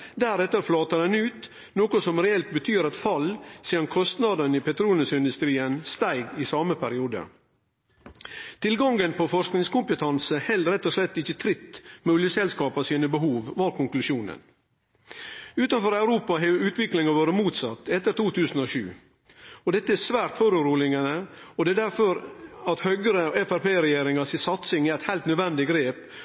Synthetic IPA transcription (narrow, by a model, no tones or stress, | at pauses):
d̪æɾɛt̪ːəɾflɑːt̪ɑd̪ɛnʉːt̪ | noːkɔsɔmɾɛɛlt̪̚bət̪ʰyːɾɑt̪fɑlsiːd̪ɑnkʰɔst̪nɑd̪ənipɛt̪ɾuːlənsɪnd̪ʉst̪ɾiːənst̪æɪɡɪsɑːməpʰæɾɪuːd̪ə̰ | t̪ʰɪlɡɑŋɡənpɔfɔʂknɪŋskʊmpət̪ʰɑnsəhɛlɾɛt̪ːɔʂlɛt̪ːɪçːət̪ʰɾɪt̪ːmeʊljəsɛlskɑːpɑsiːnəbəɦuːʋʋɑːɾkʊŋklʉʃjuːnə̰n | ʉːt̪ɑnfɔɾæʉɾuːpɑɦɛʉːt̪ʋɪklɪŋɑʋoːɾəmuːt̪sɑt̪ːɛt̪ːəɾt̪ʰuːt̪ʰʉːsn̩ɔʂʉ̰ː | ɔd̪ɛt̪ːəæsʋæːɾt̪fɔɾʉɾuːlɪŋənəɔd̪ɛːd̪æɾfɔɾɑt̪hœɡəɾəɛfæɾpeːɾɛjeːɾɪŋɑsɪsɑt̪sɪŋææɪt̪hæɪlt̪nœd̪ʋɛnd̪ɪɡɾeːp